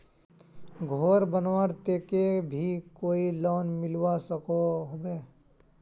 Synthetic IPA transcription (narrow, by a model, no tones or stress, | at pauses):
ɡʱoːɾbənʋaɽt̪eːkebʱikoːilɔːnmɪlwasəkoɦobeː